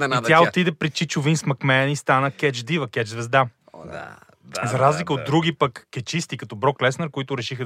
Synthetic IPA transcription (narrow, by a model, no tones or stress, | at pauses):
it̪ʲjaot̪id̪ɛpɾit͡ʃit͡ʃʊvinsmɐkmɛnist̪anəkʲɛt͡ʃd̪ivəkʲɛt͡ʃzvɛzd̪a | a̰ | zɐɾazlikəod̪ːɾuɡ̟ipəkːɛt͡ʃist̪ikɐt̪ɔbɾɔklɛsnəɾkoit̪ʊɾɛʃixə